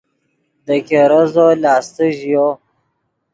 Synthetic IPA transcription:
d̪əkeɾəzolɑːst̪əʒijo

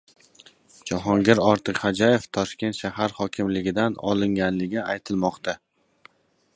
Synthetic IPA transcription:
d͡ʒaɦɒŋɡʲɪɾɒɾt̪ʰɨqhad͡ʒaje̞ft̪ʰɒʃkʲe̞nt̪ʃahaɾhɒkʲʰɪmlɪɡʲɪd̪anɒ̰lˠɪŋɡʲanlɪɡʲɪajt̪ʰɪlmɒqt̪ʰa

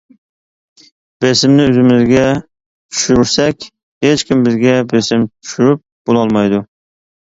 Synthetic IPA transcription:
b̥esɪmnɪɵzɪmɪzɡʲɛ | t̪ʰʊ̥ʃʊɾsɛkʲ | het͡ʃkʲɪmbɪzɡʲɛbesɪmt̪ʰy̥ʃyɾɪp̚b̥olˠɑɒlˠmajd̪ʊ

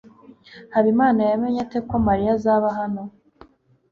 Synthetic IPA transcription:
haβimaːnajame̞ɲate̞ko̞maɾijazaːβaɦano̞

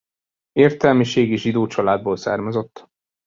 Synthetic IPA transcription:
eːrt̪ɛlmiʃeːɡiʒid̪oːt͡ʃɒlaːd̪̚boːlsa̰ːrmɒzo̞t̪ː

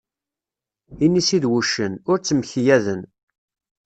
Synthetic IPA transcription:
inːisiðwuʃːənʊɾt͡sːəmçjæðən

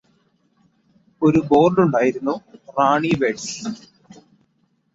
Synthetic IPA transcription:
oɾubo̞ːrɖuɳɖaːjiɾunːuraːɳiʋeːʈs

